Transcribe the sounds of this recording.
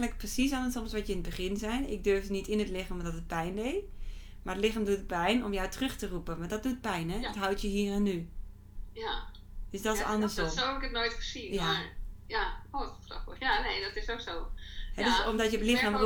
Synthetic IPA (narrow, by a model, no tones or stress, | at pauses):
nlək̚prəsis̬ɔnəsɔmsʋɔtjəɪnət̚bəɣɪnzɛjnɪɡ̚dørvdənitɪnətlɪxamdɔtət̚pɛjndej | marətlɪxaːmdutəpɛjnɔmjawtrøxtərupənmadɔt̚dut̚pɛjnɛɔtɦawtjəɦiːrɛnːy | ja | d̥øsdɔtɪsɔ̰ndəsoohɛbɪkətnoːjtχəsinjaajakotrɔfjaneːdɔtɪsoksohɛdøsɔmdɔtjəlɪxamru